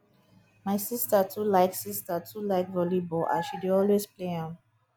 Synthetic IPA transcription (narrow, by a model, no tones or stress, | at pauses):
maɪsistətʰulaɪksistətʰulaɪkvɔlibɔʔã̰ʃidiɔlwespleãm